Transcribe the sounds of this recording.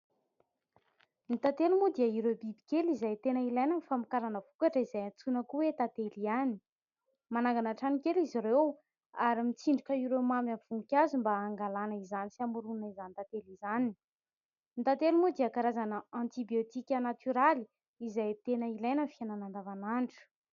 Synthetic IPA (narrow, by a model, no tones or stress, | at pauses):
nit̪at̪elumud̪iəiɾewbibikʲelizajt̪enəilajnanifamikaɾanəv̥ukaʈ͡ʂəizajat͡sunəkuwet̪at̪eliani̥ | manaŋɡanaʈ͡ʂanikʲeliziɾew | aɾimit͡siɳɖ͡ʐikʲəiɾewmamamv̥uŋkʲazumbaːŋɡalanəizanisiamuɾunaizanit̪at̪elizani | nit̪at̪elimud̪iəkaɾazanəãnt̪ibiot̪ikʲənat̪yɾali | izajt̪enəilajnənfiananand̪avanaɳʈ͡ʂu̥